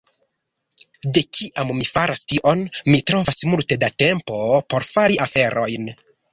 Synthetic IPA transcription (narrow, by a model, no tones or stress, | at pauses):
de̞kʰiʔamːifaɾastiʔo̞nmitɾo̞vasmulte̞date̞mpo̞po̞ɾfaɾiʔafe̞ɾʔo̞jn